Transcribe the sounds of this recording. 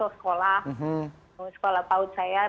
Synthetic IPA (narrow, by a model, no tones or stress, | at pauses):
oskolahɦ̩ | səkolahpaut̪saja